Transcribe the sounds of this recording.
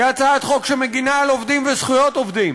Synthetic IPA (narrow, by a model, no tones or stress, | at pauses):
at͡saet̪χo̞kʃemeɡinaalovd̪imvesχujot̪ovd̪im